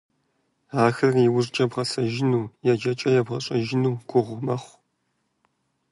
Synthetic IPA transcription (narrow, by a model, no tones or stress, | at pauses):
aːxɐrriwʊzt͡ʃʼɐbʁɐsɐʒɪnuːjɛd͡ʒɐt͡ʃʼɐjɛbʁɐɕʼɐʒɪnuːɡʷʊʁʷmɐχʷ